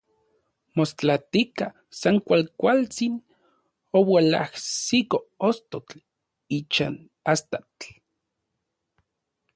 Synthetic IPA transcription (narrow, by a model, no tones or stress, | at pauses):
most͡ɬat̪ika | saŋkʷalkʷalt͡sin | owala̰hsikoost̪ot͡ɬ | it͡ʃa̰n | ast̪at͡ɬ